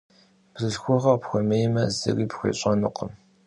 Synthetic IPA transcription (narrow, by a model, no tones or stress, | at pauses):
b̥zɨɮxʷʊʁɐpxʷɔmejmɐzɨ̰riːpxʷḛːɕʼɐnɨqəm